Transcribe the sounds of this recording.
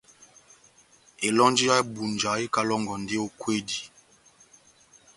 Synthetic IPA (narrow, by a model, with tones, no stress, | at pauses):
e˨lɔ˦nd͡ʒi˦ja˦bu˨nd͡ʒa˨˦e˦ka˦lɔ˦ŋɡɔ˨nde˦o˦kwe˦di˨